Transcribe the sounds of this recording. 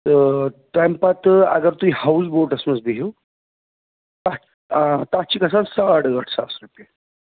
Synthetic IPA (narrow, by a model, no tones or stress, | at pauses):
t̪əʈɾampat̪a̰ɡəɾt̪uihawsboɾʈəsməd͡zbiɦew | t̪a | t̪at͡ɕiːkəsansaɽɡəʈʰsa̰sɾupe